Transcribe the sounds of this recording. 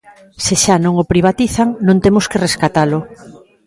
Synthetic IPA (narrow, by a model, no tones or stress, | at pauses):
sɪʃanõŋopɾiβ̞at̪iθaŋnõnt̪emʊskereskat̪alʊ